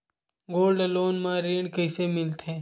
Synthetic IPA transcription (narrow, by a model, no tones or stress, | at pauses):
ɡoːlɖloːnmãːɾeːɳkəɪsemɪlt̪ẽː